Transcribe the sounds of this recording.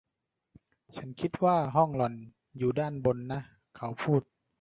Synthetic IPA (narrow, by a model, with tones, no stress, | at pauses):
t͡ɕʰa˧˦˥nkʰi˧˥t̪̚waː˧˥˩ɦɔ˥˩˨ŋlɔ˨˩n | juː˨˩daː˧˥˩nbo˧nːa˦˥ | kʰa˨˦wpʰuː˥˩t̪̚